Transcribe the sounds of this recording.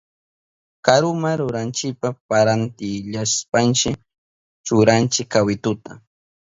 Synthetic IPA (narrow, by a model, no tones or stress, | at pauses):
kaɾʊmaɾʊɾant͡ʃɪpapaɾant̪ɪʎaspant͡ʃɪ | t͡ʃʊɾant͡ʃɪkːawɪt̪ʊt̪a̰